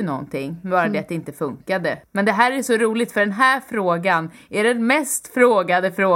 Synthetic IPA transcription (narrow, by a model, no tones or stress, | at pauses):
ənɔ̰nːt̪ʰɪŋːbɑːɾad̪ɛat̪̚d̪ɛɪnt̪əfɵŋkad̪əmɛnd̪ɛɦæːɾæʂɔɾuːlɪɡ̚t̪fœɖɛnɦæːɾfɾoːɡan | æɖɛnmɛst̪fɾoːɡad̪əfɾoː